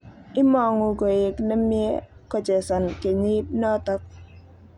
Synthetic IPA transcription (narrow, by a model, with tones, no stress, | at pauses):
ɪ˦mɔ˨ŋʊ˨ko˨e˨kna˦mje˦kɔ˨d͡ʒɛ˨sɔ˨nke˨ɲi˦t̚nɔ˦tɔ˦k̚